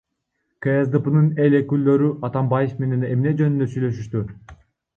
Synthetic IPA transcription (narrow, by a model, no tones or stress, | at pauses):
keezd̪ɨpɯnɯnelekylːø̞ɾyʔɑt̪ɑmbɑjefme̞ne̞nemne̞d͡ʒønynd̪øsyjlø̞ʃyʃt̪y